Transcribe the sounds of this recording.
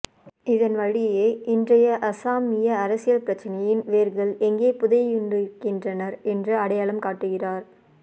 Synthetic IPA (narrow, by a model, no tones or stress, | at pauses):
ɪðɐnʋɐɻɪjeːɪndrɐjɐʔɐsaːmɪjɐɐɾɐsɪjɐlpɪɾɐt͡ʃːɐnɐjɪnʋeːɾɣɐɭɛŋɡeːpʊðɐʊɳɖɯkːɪndrɐnɐɾɛndrɯɐɽɐjaːɭɐmkaːʈːɯɣɪraːɾ